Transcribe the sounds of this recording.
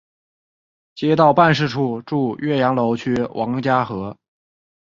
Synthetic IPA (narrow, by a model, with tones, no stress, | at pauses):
t͡ɕjɛ˥t̪ɑ˥˧ʊpa˥˧nʂɻ̩˥˧ʈ͡ʂʰu˥˩ʈ͡ʂu˥˧ɥɛ˥˩jɑ˧˥ŋlo˧˥ʊt͡ɕʰy˥wʔɑ˧˥ŋt͡ɕja˥xɤ˧˥